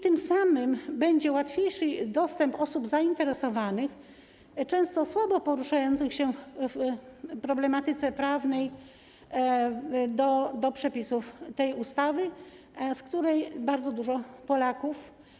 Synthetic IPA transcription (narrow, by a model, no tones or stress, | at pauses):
t̪ɘmsamɘmbɛɲd͡ʑɛwat̪fʲjejʂɘd̪ɔst̪ɛmpɔsubzaint̪ɛɾɛsɔvanɘx | t͡ʂɛ̃w̃st̪ɔswabɔpɔɾuʂajɔnt̪sɘxɕɛfpɾɔblɛmat̪ɘt̪sɛpɾavnɛj | d̪ɔd̪ɔpʂɛpʲisuft̪ɛjust̪avɘ | skt̪uɾɛjbaɾd̪zɔd̪uʐɔpɔlakuf